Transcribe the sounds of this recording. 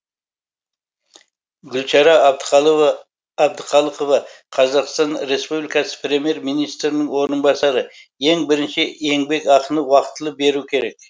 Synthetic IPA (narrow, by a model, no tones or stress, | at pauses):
ɡʲʏlʃɑɾɑb̪ | ɑb̚d̪əqʰɑlˠəqovɑ | qʰɑzɑqst̪ɑnɾe̞spublijkɑsə̥prʲe̞mije̞ɾmijnijst̪ɾɪnɪŋwo̞ɾənbɑsɑɾəe̞ŋbɪɾɪnʃɪe̞ŋbe̞kɑqənəwɑqət̪əlˠəp̚be̞ɾukʲʰe̞ɾe̞k̚